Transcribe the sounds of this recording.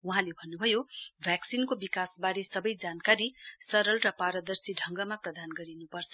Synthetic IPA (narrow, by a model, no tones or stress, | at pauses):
uɦãlebʱʌnːubʱʌjobʱjaksinkobikasbaɾesʌbʌjd͡zankaɾisʌɾʌlrʌpaɾʌd̪ʌrsiɖʱʌŋɡʌmaprʌd̪anɡʌɾinupʌrt͡sʰʌ̥